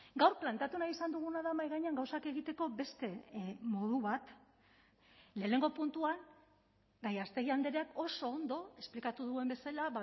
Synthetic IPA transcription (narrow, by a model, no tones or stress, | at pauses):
ɡawrplant̪eat̪unaisand̪uɣ̞unaðamajɣaɲeaŋɡawsake̞ɣ̞it̪e̞ko̞be̞st̪e̞mo̞ðuβat̪ | le̞ːne̞ŋɡo̞punt̪uan | ɡajast̪eɣiand̪eɾeako̞so̞ːnd̪o̞e̞splikat̪uðue̞mbe̞salaβa